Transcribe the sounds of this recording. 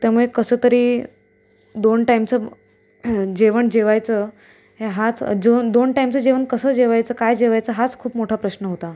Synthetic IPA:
t̪jamuɭekəsəːt̪əɾiː | d̪onʈajmt͡sə | d͡ʑeʋəɳd͡ʑeʋajt͡sə | ɦeɦat͡sd͡ʑod̪onʈajmt͡səd͡ʑeʋəɳkəsəːd͡ʑeʋajt͡səːkajd͡ʑeʋajt͡səɦat͡skʰuːpmoʈʰapɾəɕnəɦot̪a

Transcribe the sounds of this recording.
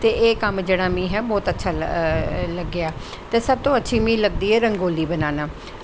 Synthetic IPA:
t̪eːʔeːkəmd͡ʒeːɽaːmĩːɦɛːbɔːt̪ətːʃʰaː | ləɡːɪaː | t̪eːsəb̚t̪õːətːʃʰiːmĩːləɡ̚d̪iːɦɛːɾə̃ŋɡoːliːbənaːnaː

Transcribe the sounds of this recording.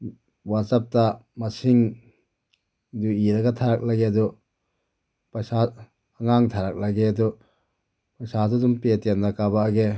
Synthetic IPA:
watsap̚tamɐsiŋ | duiɾɐɡɐtʰaɾak̚lɐɡeɐdu | psa | ɐŋaŋtʰaɾak̚laɡeɐdu | pɐsadudumpetemnɐkabaːɡe

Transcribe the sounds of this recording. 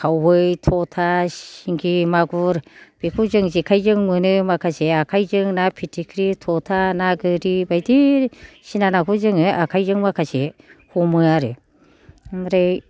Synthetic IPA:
kʰawɯjtʰɔtʰasiŋɡimaɡuɾb̥ikʰuzɯŋzikʰajzɯŋmɯnɯmakʰaseakʰajzɯŋnapʰitʰikʰɾitʰɔtʰanaɡɯɾibajdisinanakʰuzɯŋɯʔakʰajzɯŋmakʰasehumɯaɾɯ | mɾej

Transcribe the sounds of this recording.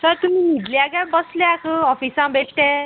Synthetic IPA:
səɾt̪um̤ĩnid̪ljaɡãmbəslakʰəɔfisãbeʈʈ̪ɛ̃

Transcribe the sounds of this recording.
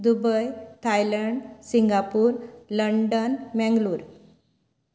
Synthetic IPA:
d̪ubəjt̪ʰajləɳɖsiŋɡapuːɾləɳɖənmɛ̃ŋɡluːɾ

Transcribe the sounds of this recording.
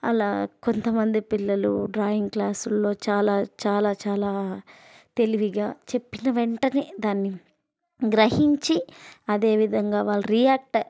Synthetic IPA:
ɐ̰laːko̞nt̪ɐmɐnd̪ipilːɐlṵɖɾaːjiŋɡklaːsulːo̞ːt͡ʃaːlaːt͡ʃaːlaːt͡ʃaːlaː | t̪e̞liʋiɡaːt͡ʃe̞pːinɐʋeɳʈɐnid̪aːnːi | ɡɾɐɦiɲt͡ʃiɐd̪e̞ːʋid̪ʱɐŋɡaːʋaːlːɐɾijaːk̚ʈɐ

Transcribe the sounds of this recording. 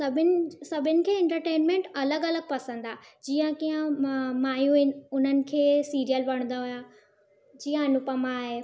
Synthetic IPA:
sɐbʱɪnɪsɐbʱɪnɪ̆kʰeːɛ̃ɳʈəɾʈeːnmẽɳʈɐləɡɐləɡ̚pɐsə̃nd̪aːd͡ʑiːə̃kijə̃maːjuɪnʊn̤ənɪ̆kʰeːsiːɾijəlʋɐɽ̃n̆d̪aɦʊja | d͡ʑiːə̃nʊpəmãːɦeː

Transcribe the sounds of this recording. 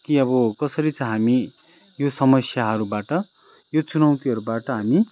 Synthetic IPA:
kiʌbʌkʌsʌɾit͡sʌ̃ɦami | josʌmʌsjaɦʌɾubaʈʌ | jot͡sunaw̃t̪iɦʌɾubaʈʌɦami

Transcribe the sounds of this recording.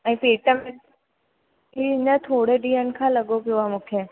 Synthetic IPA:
ɛ̃ːpeːʈəmẽ | iɪnət̪ʰoːɽeɖiːənkʰãlɐɠopijoaːmũːkʰe

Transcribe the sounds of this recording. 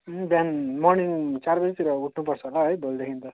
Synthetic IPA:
bjanmɔrniŋt͡sarbʌd͡zit̪iɾʌuʈʰnupʌɾt͡sʰʌɦolaɦʌjbʱold̪ekʰint̪ʌ

